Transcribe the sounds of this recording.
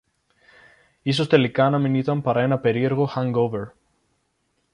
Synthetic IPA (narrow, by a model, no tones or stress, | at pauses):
iso̞st̪e̞likɐːnɐminit̪ɐmpɐɾɐe̞nɐpe̞ɾie̞ɾɣo̞xaŋɡoveɾ